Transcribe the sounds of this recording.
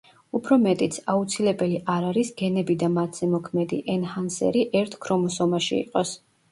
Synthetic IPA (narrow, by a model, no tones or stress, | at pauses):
upʰɾɔmɛt̪ʼit̪sʰaut̪sʰilɛbɛliʔaɾaɾisɡɛnɛbid̪amat̪ʰz̥ɛmɔkʰmɛd̪iʔɛnhansɛ̰ɾiʔɛɾt̪ʰkʰɾɔmɔsɔmaʃḭḭqʼɔs